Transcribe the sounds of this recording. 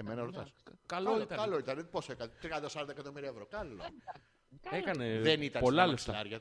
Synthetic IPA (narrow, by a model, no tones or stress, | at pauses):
emenɐɾot̪ɐskɐloit̪ɐɐloit̪ɐneposekɐnet̪ɾiɐnd̪ɐsɐɾɐnd̪ɐekɐt̪o̞miɾiɐevɾokɐlo̰ | ekɐneðenit̪ɐnpolɐleft̪ɐɐɾʝɐ